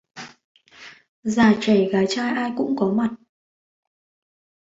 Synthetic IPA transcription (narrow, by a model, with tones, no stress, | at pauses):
zaː˨˩t͡ɕə˧˩jɣaː˨˦jt͡ɕaː˧jʔaː˧jkʊ̰˧˥ŋ͡mkɔ˨˦ma˨˩t̚